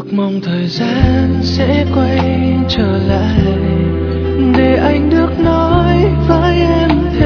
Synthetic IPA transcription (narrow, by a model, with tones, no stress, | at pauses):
k̚mə˧˩wŋ͡mt̪ʰəː˨˩jzaː˧nsɛ̰˧˥kwa˧j | t͡ɕəː˧˩la̰ː˧˨j | ɗe˨˩ʔa˧jŋ̟ɗɨ˨˩ək̚nɔ˨˦jvaː˧˦jʔɛ˧mʰ˧